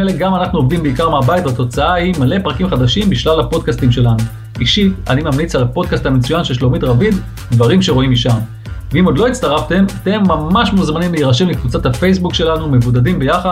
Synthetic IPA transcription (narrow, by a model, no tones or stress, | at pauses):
eleɡamanaχnuovimbeikaʁmeabajitlat̪o̞t͡saahimale̞pʁakimχad̪aʃimbiʃlalapo̞d̚kastimʃe̞lanu | iʃia̰nimamnit͡salapo̞d̪kasthamet͡sujanʃeʃlo̞mitʁavid̪ | d̪vaʁimʃeʁo̞imiʃam | veimod̪lo̞it͡st̪aʁafte̞mat̪e̞mːamaʃmuzmanimleiʁaʃemlekvut͡sathafe̞js̬bukʃe̞lanume̞vudadimbe̞jaχa